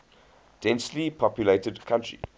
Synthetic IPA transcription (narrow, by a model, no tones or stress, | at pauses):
d̥ɛ̃nslipʰɔpjuleɪtədkʰãntɹḭ